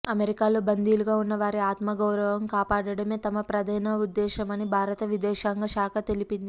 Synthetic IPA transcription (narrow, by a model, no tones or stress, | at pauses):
ɐmeɾikaːlo̞ːbɐnd̪iːluɡaːunːɐʋaːɾiaːt̪mɐɡɐwɾɐʋɐmkaːpaːɽɐɽɐme̞ːt̪ɐmɐpɾɐd̪ɐjnɐud̪ːɛːʃɐmɐnibʱaːɾɐt̪ɐʋid̪ɛːʃaːŋɡɐʃaːkʰɐt̪e̞lipind̪i